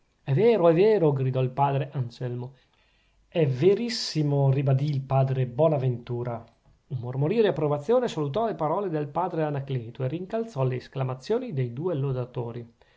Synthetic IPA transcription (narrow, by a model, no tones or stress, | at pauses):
ɛveːɾoɛveːɾoɡɾid̪ɔilpaːd̪ɾeʔansɛlmo | ɛvːeɾisːimoribad̪iːlpaːd̪ɾebwɔːnavent̪uːɾa | umːormoɾiːod̪iapːɾovat̪sːjoːnesalut̪ɔlepaɾɔːled̪elpaːd̪ɾeanakleːt̪oeriŋkalt̪sɔleːsklamat̪sːjoːnid̪ejd̪uːelod̪at̪oːɾi